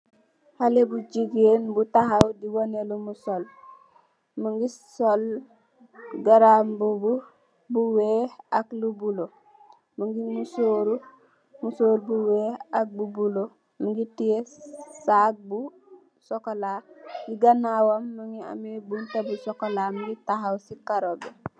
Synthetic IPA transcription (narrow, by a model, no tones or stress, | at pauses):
halebud͡ʒiɡenbutaɦawdiwonelumusol | muŋɡisol | ɡaɾambubu | buweːaklubulo | muŋɡimusoːɾu | musoːɾubuweːak̚bubulo | muŋɡitijesak̚bu | sokolaɡiɡanawamːaŋia̰mebuntebusokolamuɡitaɦawsikaɾobe